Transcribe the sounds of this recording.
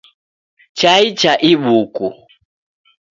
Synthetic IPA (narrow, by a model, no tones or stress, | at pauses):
t͡ʃait͡ʃaʔiɓuku